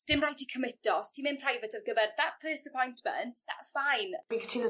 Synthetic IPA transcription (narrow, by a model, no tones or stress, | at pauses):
d̥ɪmrajtʰikʰəmɪtɔstʰiːmɪ̃npʰrajvɛtəvɡəvɛrðatfɜːˑstəpʰɔjntʰmə̰̃ntða̰tsfajnb̥ikʰtʰiðə